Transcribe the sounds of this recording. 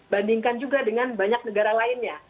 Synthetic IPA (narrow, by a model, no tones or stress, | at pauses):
bandiŋkand͡ʒuɡadəŋanbaɲak̚nəɡaɾalaɪnɲa